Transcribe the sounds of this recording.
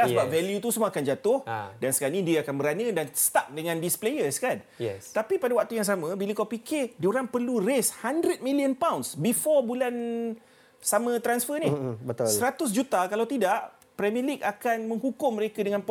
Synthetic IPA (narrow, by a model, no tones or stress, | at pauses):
asəbap̚vɛljut̪usumuaakand͡ʒat̪ʊhdansə̥kanidiəakanbəɾanə̃dansə̥t̪ap̚dəŋãndisplejəskan | ɛ̰t̪apipadawak̚t̪ujaŋs̬amə̃biləkawpikɪdioɾaŋpərlureshandɾət̪̚mĩliənpawnsbifɔbulan | samə̃t̪ɾansfənibət̪səɾat̪ʊs̬d͡ʒut̪akalawt̪idaʔ | pɾɛmĩlik̚akanmə̃ŋhukʊŋməɾekadəŋãnp